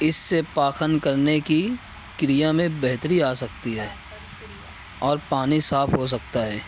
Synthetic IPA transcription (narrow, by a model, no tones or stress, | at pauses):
ɪsːepaːxənkɐɾneki | kɾijamẽbɛɦt̪əɾiaːsɐk̚t̪iɦɛː | ɔːɾpaːnisaːfɦos̬ɐkt̪aɦɛː